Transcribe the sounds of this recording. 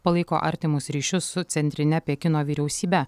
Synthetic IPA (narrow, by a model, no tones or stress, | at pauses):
pɐlˠɐɪko̰ːʔɐ̰ɾʲt̪ʲɪmʊsɾʲiːʃʲʊsʊt̪sʲɛnʲt̪ʲɾʲɪnʲɛpʲiɛkʲɪnoːʋʲiːɾʲɛʊsʲiːbʲɛ